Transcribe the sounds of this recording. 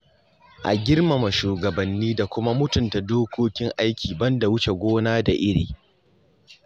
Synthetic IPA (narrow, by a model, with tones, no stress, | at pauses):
ʔa˨ɡʲɪ˦rma˨mɐ˨ʃuː˨ɡɐ˨bɐ˨nːiː˦da˨kʷʊ˦ma˦mʊ˦tʊ˨nta˨doː˦kʷoː˦kʲɪ˦ŋʔa˦jkʲʰiː˨bɐ˦nda˨wʊ˦t͡ʃe˨ɡʷoː˦naː˦da˨ʔɪ˦ɽḭː˨